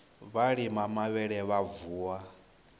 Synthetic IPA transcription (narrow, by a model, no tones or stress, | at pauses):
βaɺimamaβɛɺɛβavuːwa